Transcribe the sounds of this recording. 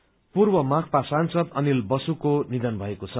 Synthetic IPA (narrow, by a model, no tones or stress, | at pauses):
purbʌmak̚ʰpasansʌd̪ʌnilbʌsukonid̪ʌnbʱʌekot͡sʰʌ